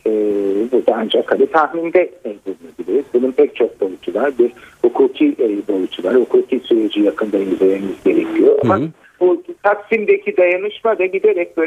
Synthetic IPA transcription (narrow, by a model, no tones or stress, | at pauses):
ɛbuɾd̪aand͡ʒakhanit̪ʰahmind̪ɛbulˠunuilʲeɾizbununpʰɛc̚t͡ʃʰo̞k̚bo̞jut͡ʃʰulˠaɾbiɾhukʰuːcʰiʔbo̞jut͡ʃʰulˠaɾhukʰuːkʰiːsyɾed͡ʒijakʰɯnd̪ajizememizɟe̞ɾecʰijo̞a̰ma | but̪ʰaksimd̪ecʰid̪ajanɯʃmad̪aɟid̪eɾɛc̚bøː